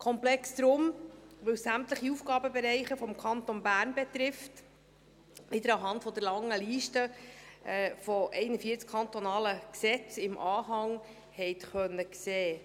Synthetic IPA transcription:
kʰɔmplɛksd̥̪ɾʊmʋɵwssæmt̪ləχiufɡɑːbəbɛɾɛɪχəfɔmkʰɑnt̪onbæːɾnbɛt̪ɾɪft | ʋɪd̪əɾɑɦɑntfɔd̪əɾlɑŋːəliːʃtə | fɔʔɛɪnəfiəɾt͡skʰɑnt̪ɔnɑːləksɛt͡sɪmʔɑːɦɑŋ | hɛɪtχœnːəkseː

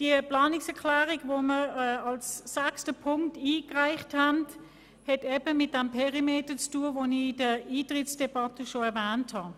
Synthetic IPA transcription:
d̥iəplɑːnɪksɛɐkʰlæːʁiɡvoməʁɛɑlsːækstəpʰʊŋktiːkʁaɪχthænd | hɛtɛbəmɪt̚d̥ɛmpʰɛʁimeːtət͡stuːəvonidəiːtʁɪt͡sd̥ɛbɑtəʃoɛɐvæːnthɑ

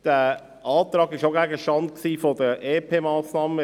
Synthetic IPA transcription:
d̥æ | ʔɑːtɾɑːɡɪʃoæɡəʃtɑntksiːfod̥əʔeːpʰeːmɑːsnɑːmə

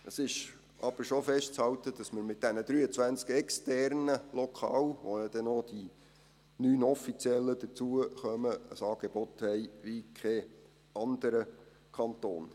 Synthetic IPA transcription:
əsɪʃ | ʔɑb̥əɾʃofɛʃtt͡shɑltəd̥ɑsməɾmɪt̚d̥ænəd̥̪ɾyːət͡sʋænt͡skɛkstɛrnəlɔkʰɑ̰ːlʋojɑd̥ɛnod̥i | nyːnɔfit͡siɛlːəd̥̪ət͡suəχœməəsɑːɡ̥eb̥ɔt̪hɛɪʋikʰɛ | ɑndəɾə | kʰɑnto̰ːn

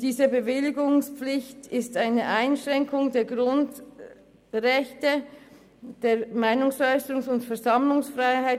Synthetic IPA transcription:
d̥iːzəbəvɪlɪɡʊŋspp͡flɪçtɪstaɪnəʔaɪnʃʁɛŋkʰʊŋdeːɐɡʁʊnd | ʁɛçtə | d̥eːɐmaɪnʊŋsɔʏsəʁʊŋsʊntfɛɐzɑmlʊŋsfʁaɪhaɪ

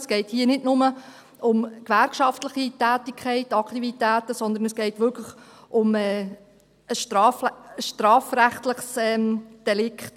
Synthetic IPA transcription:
sɡ̥ɛɪthiːnɪdnʊmə | ʊmkʋærkʃɑftləχitæːtikʰχɛɪtɑktivitæːtəsɔnd̪ənəsɡ̥ɛɪtʋʏɾkʰləχʊmɛː | əʃtɾɑːfəʃtɾɑːfɾæχt̪ləχsɛmd̥ɛlɪkχt

